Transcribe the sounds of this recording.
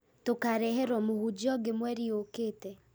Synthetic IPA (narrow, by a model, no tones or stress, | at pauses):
tokaɾɛɦɛɾɔmohud͡ʒɔɡemwɛɾiokeːtɛ